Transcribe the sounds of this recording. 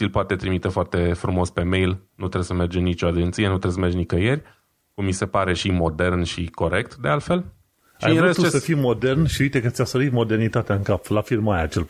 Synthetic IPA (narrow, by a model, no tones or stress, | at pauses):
ilpoat̪e̞t̪ɾimit̪efoart̪e̞fɾumo̞spe̞mejlnut̪ɾesəme̞rd͡ʒenit͡ʃo̞ad͡ʒent̪sije̞nut̪ɾesəme̞rd͡ʒnikəje̞rʲ | kumːise̞paɾe̞ʃimo̞d̪e̞rnʃiko̞ɾe̞k̚t̪d̪e̞alt̪fe̞l | ʃa̰jiest̪ut͡ʃesəfimo̞d̪e̞rnʃiuit̪ekət̪sʲasəɾit̪mo̞d̪e̞rnit̪at̪eaɨŋkaplafirmajat͡ʃel